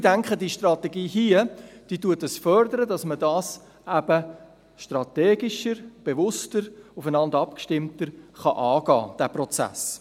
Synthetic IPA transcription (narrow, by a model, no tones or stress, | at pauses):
dæŋkχədiːʃtrɑt̪eɡiːɦiəd̥iːtuətəsfœɾdəɾədɑsmədɑːs | ʔæb̥ə | ʃtrɑtɛːɡɪʃəɾb̥eʋʊstəɾʊfənɑndɑpkʃtɪmtəɾχɑʔɑːɡɑ̰ːd̥æːprɔt͡sæ̰s